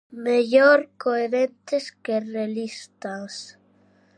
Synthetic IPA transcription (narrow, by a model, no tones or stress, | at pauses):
meʎoɾkoeɾẽnt̪eskerelist̪as